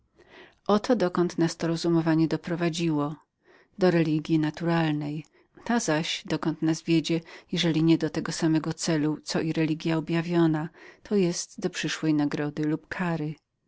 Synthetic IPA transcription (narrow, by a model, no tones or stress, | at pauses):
ʔɔt̪ɔd̪ɔkɔnt̪nast̪ɔɾɔzumɔvaɲɛd̪ɔpɾɔvad͡ʑiwɔ | d̪ɔɾɛlʲiɡʲjinat̪uɾalnɛj | t̪azaɕd̪ɔkɔnt̪nasvʲjed͡ʑɛjɛʐɛlʲiɲɛd̪ɔt̪ɛɡɔsamɛɡɔt̪sɛlut̪sɔʔiɾɛlʲiɡʲjaɔbʲjavʲjɔnat̪ʰɔjɛst̪d̪ɔpʂɘʂwɛjnaɡɾɔd̪ɘlupkʰaɾɘ